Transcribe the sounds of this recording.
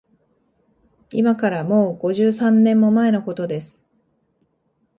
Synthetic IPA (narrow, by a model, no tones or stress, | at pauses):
imakaɾamo̞ːɡ̥o̞ʑɨːsãnːẽ̞mːo̞mae̞no̞ko̞t̪o̞d̪e̞sɨ̥